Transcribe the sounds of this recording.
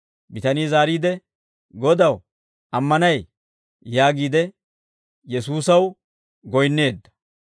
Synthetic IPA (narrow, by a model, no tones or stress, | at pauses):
bɪt̪ɐniːzaːɾiːd̪ɛ | ɡɔd̪ɐw | ɐmːɐnɐj | jaːɡiːd̪ɛ | jɛsuːsɐw | ɡɔjnːe̞ːd̪ːɐ̥